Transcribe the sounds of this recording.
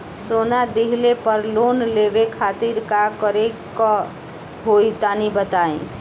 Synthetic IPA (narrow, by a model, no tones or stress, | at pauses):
sonad̪iɦlepəɾlonlebekʰat̪iɾkakəɾekɔ | ɦoit̪anibət̪aḛ̃